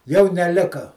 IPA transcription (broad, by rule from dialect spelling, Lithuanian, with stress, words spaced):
jɛʊ nʲɛˈlʲɪkɐ